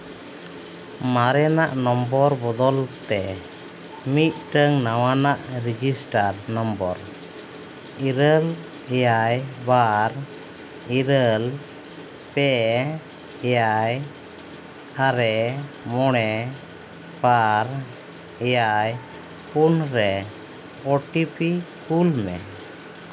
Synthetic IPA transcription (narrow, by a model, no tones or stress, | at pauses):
maɾɛnaʔnɔmbɔɾbɔd̪ɔlt̪ɛ | mit̪̚ʈəŋnawanaʔɾid͡ʒisʈaɾnɔmbɔ̰ɾ | iɾəl | ɛjajbaɾ | iɾəl | pɛ | ɛjaj | aɾɛ | mɔɽ̃ɛ | baɾ | ɛjaj | punɾɛ | ɔʈipikulmɛ̰